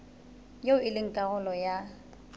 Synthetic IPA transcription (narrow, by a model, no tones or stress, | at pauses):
joʊɪlɪŋ̩kʼaɣʊlɔja